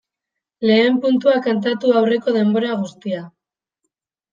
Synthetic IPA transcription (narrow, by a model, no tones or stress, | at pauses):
le̞ːmpunt̪uakant̪at̪uawre̞ko̞ðe̞mbo̞ɾaɣ̞ust̪ia